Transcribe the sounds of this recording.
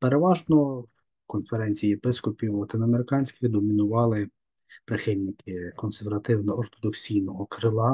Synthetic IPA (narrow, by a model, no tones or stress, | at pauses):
peɾeʋɑʒnɔw | kɔnfeɾɛnʲt͡sʲijijepɪskɔpʲiwɐt̪ɪnɐmeɾɪkɑnʲsʲkʲɪɣd̪ɔmʲinʊʋɑlˠɪ | pɾɪxɪnʲnʲɪkɪkɔnseɾʋɐt̪ɪwnɐɔrt̪ɔd̪ɔksʲijnɔɦɔkɾɪlˠɑ